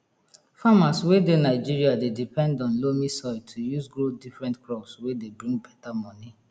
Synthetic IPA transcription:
famaswedenaɪd͡ʒiɹiadedipɛ̃ndɔ̃nlomisɔtʰujuzɡɾodifɾɛ̃ntklɔpswedebɾĩŋɡbɛtamɔni

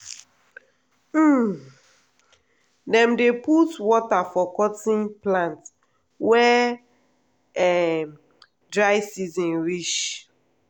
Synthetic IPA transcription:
m̩ | dɛ̃mdeputwɔtafɔkɔtĩnplãnt | wɛ | ɛ | dɹaɪsizɔ̃nɹiʃ

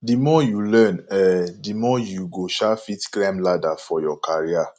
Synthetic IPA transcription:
dimɔjulɛ̃nɛdimɔjuɡoʃafitklɛmladafɔjɔkʰaɹia

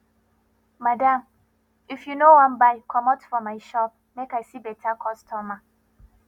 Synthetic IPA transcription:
madãm | ifjunowãnbaɪkʰɔmɔtfɔmaɪʃɔp̚mekajsibɛtʰakʰɔstʰɔma

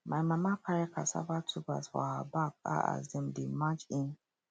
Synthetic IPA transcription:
majmamapʰaɹɛkʰasa̰batʰupa̰sfɔ̰habak̚a̰a̰zdɛ̃mdemat͡ʃĩn

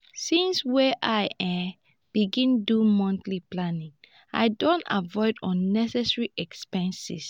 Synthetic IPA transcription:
sĩnswɛʔaɪɛ | b̥iɡĩndumɔ̃ntliplanĩŋ | a̰ɪdõnta̰vɔɪdɔ̃nːɛsɛsɹiʔɛkspɛ̃nsḭs

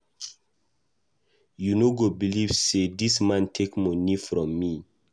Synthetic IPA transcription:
junoɡobilivsedismãntʰekmɔnifɾɔ̃mːi

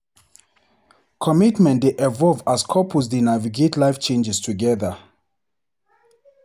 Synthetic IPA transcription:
kʰɔmitmɛ̃ntdeʔɛvɔlvaskʰɔpʰus̬dinaviɡetlaɪft͡ʃẽnd͡ʒɛstʰuɡɛðə

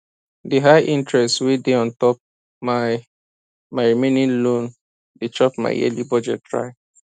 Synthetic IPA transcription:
diɦaɪʔĩntɹɛstwedeɔ̃ntɔp̚ | ma | maɪɹimẽnĩnlõn | det͡ʃɔpma̰ɪɛ̰libɔd͡ʒɛ̰t̚tːɹa̰ɪ

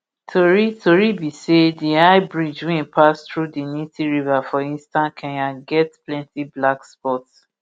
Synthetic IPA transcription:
tʰoɹitʰoɹibisediaɪbɹid͡ʒwẽnpʰastɹudinitiɹivafɔĩnstãnkʰɛ̃jãɡɛtplɛ̃ntʰiblakspɔts

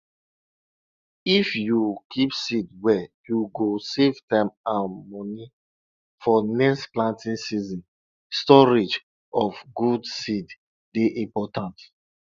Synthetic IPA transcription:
ifjukʰipsidwɛjuɡosevtãɪmãnmɔni | fɔnɛkstplãntĩnsizĩn | stɔɹid͡ʒ | ɔfɡudsid | deʔĩmpɔtãnt

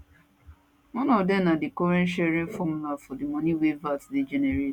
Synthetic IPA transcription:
wɔ̃nɔvdɛmnadikɔɾɛ̃nʃɛɾĩnfɔmulafɔdimɔ̃niwevatded͡ʒɛneɾet

